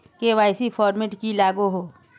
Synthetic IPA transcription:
keʋaːɪsipʰɔːɾmɪʈkilaːɡuɦoː

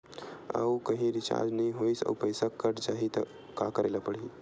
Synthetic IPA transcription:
ə̰ukɐɦĩɾɪt͡ʃa̰ːɾd͡ʒnɐɦĩɦoisə̰pəjsəkːəɾt͡ʃaːɦit̪ɐ | kakəɾeːlapəɽi

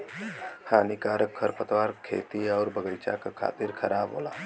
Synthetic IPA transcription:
hʰaːnikaːɾəkʰːəɾpət̪waːɾkʰḛːt̪iɔːɾbəɡəjt͡ʃa̰kakʰa̰ːt̪ɪɾkʰəɾaːbɦo̰ːla̰ː

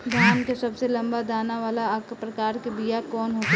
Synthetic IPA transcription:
d̪ʱaːnkesɐbselɐ̃mbad̪aːnaʋaːlaɐkpɾɐkaːɾkibijakɔːnɦoːɡ

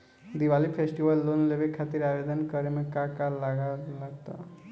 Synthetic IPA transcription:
d̪iʋalipʰesʈiʋəlːonleʋekʰːat̪iɾabed̪ənkəɾemekakalːaɡalaɡt̪a̰

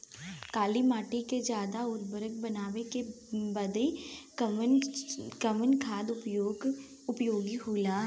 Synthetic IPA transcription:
kaːlimaːʈiked͡ʒjaːd̪aʊɾbəɾək̚bɐnaːʋeke | bɐd̪i | kəmənkʰaːd̪oɡ | ʊpjoːɡiɦoːlaɦ

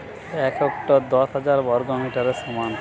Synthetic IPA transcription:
ɛkʰekʈod̪ɔʃɦad͡ʑaɾbɔɾɡomiʈaɾeʃɔman

